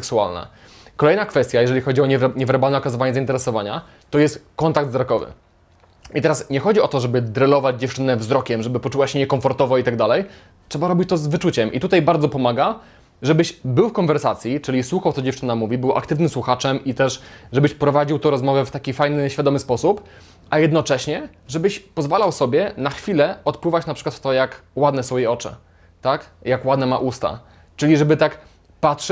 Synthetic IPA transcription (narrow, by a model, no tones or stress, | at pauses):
sɛksua̰lnɛ̰ | kɔlɛjnakfɛst̪ʲjajɛʐɛlʲixɔd͡ʑiɔɲɛɲɛvɛɾbalnɛɔkazɨvaɲɛzaint̪ɛɾɛsɔvaɲa | t̪ɔjɛst̪kɔnt̪aɡ̚d̪vzɾɔkɔvɘ̰ | it̪ɛɾasɲɛxɔd͡ʑiɔt̪ɔʐɛbɘd̪ɾɛlɔvad͡ʑd͡ʑɛft͡ʂɘnɛvzɾɔkʲɛmʐɛbɘpɔt͡ʂuwaɕɛɲɛkɔɱfɔɾt̪ɔvɔit̪aɡd̪alɛj | tʂɛbaɾɔbʲit͡ɕt̪ɔzvɘt͡ʂut͡ɕɛmʔḭt̪ut̪ajbaɾd̪zɔpɔmaɡa | ʐɛbɘɕbɘwfkɔnvɛɾsat̪sʲjit͡ʂɘlʲiswuxawt̪sɔd͡ʑɛft͡ʂɘnamuvʲibɘwʔa̰kt̪ɘvnɘmswuxat͡ʂɛmʔit̪ɛʂʐɛbɘɕpɾɔvad͡ʑiwt̪ɔɾɔzmɔvɛft̪akʲifajnɘɕfʲad̪ɔmɘspɔsup | ajɛd̪nɔt͡ʂɛɕɲɛ | ʐɛbɘɕpɔzvalawsɔbʲjɛnaxfʲilɛɔt̪pwɘvat͡ɕnapʂɘ̥kwat̪t̪ːɔjakwad̪nɛsɔ̃wjejɔt͡ʂɛ̰ | t̪akjakwad̪nɛmaʔust̪a̰ | t͡ʂɘlʲiʐɛbɘt̪ak | patʂ